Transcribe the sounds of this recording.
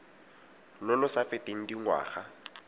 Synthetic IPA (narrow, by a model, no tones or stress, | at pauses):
lʊlʊsafɪtʼeŋ̩diŋwa̰ːχa